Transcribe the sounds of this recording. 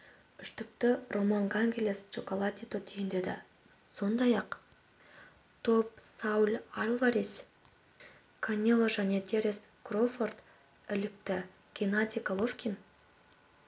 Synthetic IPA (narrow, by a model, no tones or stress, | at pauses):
ʏʃt̪ʏk̚t̪ɪrʔo̞maŋɡaŋɡʲelʲest͡ʃokolˠat̪ʲit̪ot̪ʰʏjɪnd̪e̞d̪ɪ̰ | so̞nd̪ɑjɑq | t̪ʰo̞p̚sɑwlʲarlˠaɾis | kʰanʲelˠoʒæne̞t̪ʲʰeɾeskrofort̪ | ɪlɪk̚t̪ɪ | ɡ̥ʲenat̪ʲikalˠofkʲin